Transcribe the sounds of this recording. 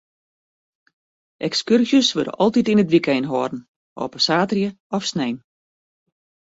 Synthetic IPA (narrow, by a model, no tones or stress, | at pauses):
ʔɛkskyrzjəsʋødə̰ʔɔlˠtitinətʋikɛjnɦɔːdn̩ | o̰ːpəsaːtrjə | ɔfsnejn